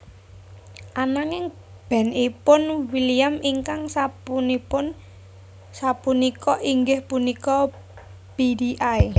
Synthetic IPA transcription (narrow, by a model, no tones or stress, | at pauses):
ʔanaŋɪŋ | b̥ɛ̤nipʊnwiliamiŋkaŋsapunipʊn | sapunikɔʔiŋɡɪhpunikɔ | pidiʔai